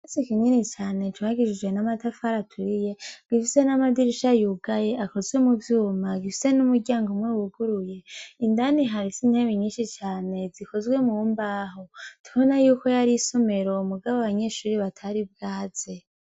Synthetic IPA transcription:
esikininit͡ʃaːne̞tʰuaɡiʃid͡ʒwe̞namatafaɾatʰuɾije̞ɡ̥ifise̞namadiɾiʃajuɡaje̞ʔako̞zwe̞muvjuːmaɡifise̞numuɟaːŋɡomwewuɡuɾuje̞indaniɦaɾisin̥heβiɲiːnʃit͡ʃaːne̞ziko̞zɡwe̞mumbaːɦo̞tʰuβonajuːko̞jaɾiso̞me̞ɾo̞muɡaβoaβaɲe̞ʃuːɾiβatʰaɾib̚ɡaːz̥e̞

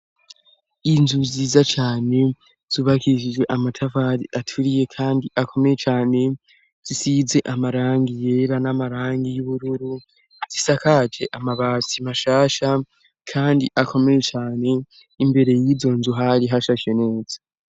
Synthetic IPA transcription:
inzuziːzat͡ʃaːne̞ | z̥uːβakiiʃid͡ʒe̞ʔamatʰavaɾiʔatʰuɾije̞kʰaːndiʔakʰo̞me̞je̞t͡ʃaːne̞ | z̥isize̞ʔamaɾaːŋɡije̞ɾanamaɾaːŋɡijuβuɾuɾu | z̥isakad͡ʒe̞ʔamaβaːsimaʃaːʃa | kʰaːndiʔakʰo̞me̞je̞t͡ʃaːne̞ | imbe̞ɾe̞jizo̞nzuɦaɾiɦaʃaʃene̞ːz̥ḁ

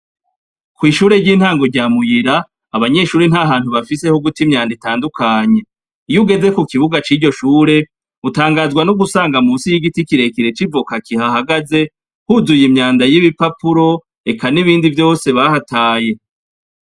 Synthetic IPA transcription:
kwiːʃuːɾe̞ɾɟiːnhaːŋɡo̞ɾɟaːmujiɾaː | βaɲe̞ʃuːɾenhaɦaːn̥huβafise̞hoɡutimɲaːnditaːndukʰaːɲe̞ | ijuɡe̞ze̞kukiβuɡat͡ʃiɾɟo̞ʃuːɾe̞ | utaːŋɡaːzɡwanuɡusaːŋɡamuːnsijiɡitikiɾe̞kiɾe̞t͡ʃivokakihahaɡaze̞ | huzujimɲaːndajiβipapuɾo̞ | e̞kʰaniβiːndivjo̞ːse̞βahataːje̞

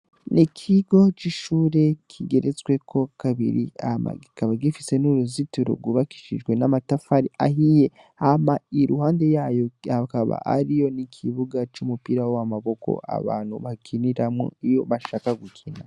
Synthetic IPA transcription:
nikʰiɡo̞t͡ʃiʃuːɾe̞kʰiɡe̞ɾet͡swe̞kʰo̞kaβḭɾiama̰ɡikaβaɡifise̞nuɾuzituɾo̰ɡuβaki̥ʃiʒɡwe̞namatafaɾiʔa̰ɦije̞ | amaiɾuhaːnde̞jaːjo̞akaβa̰ʔa̰ɾijo̞nikʰiβuɡat͡ʃumupiɾawamaβo̞ko̞̰a̰βa̰ːn̥huβakʰiniɾamŋo̰ijo̞βaʃaːkaɡukʰina̰

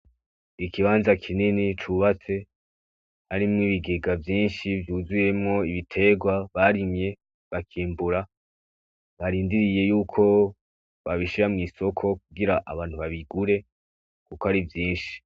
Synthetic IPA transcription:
ikiβaːnzakʰininit͡ʃuβat͡se̞ | haɾimŋiβiɡeɡavjiːnʃivjuːzuje̞mŋo̞iβitʰe̞ɡwaβaɾimɲe̞ | βakʰiːmbuɾa | βaɾiːndiɾije̞juːkʰo̞ | βaβiʃiɾamŋiːso̞kʰo̞k̚uɡiɾaʔaβaːn̥huβaβiɡuɾe̞ | kukoaɾivjiːnʃi̥

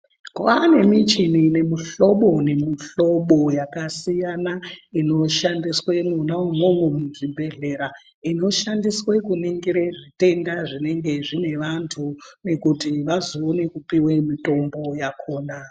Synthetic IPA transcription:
kwane̞mit͡ʃinine̞miɬo̞ɓo̞ne̞miɬo̞ɓo̞jakasijanaino̞ʃandiswe̞munawomwomomuʐibʱe̞ɮe̞ɾa | ino̞ʃandiswe̞kuniŋɡiɾeʐite̞ndaʐine̞ŋɡe̞ʐine̞ʋantʰune̞kutiʋazoːne̞kupiwemito̞mbo̞jakʰo̞ːna

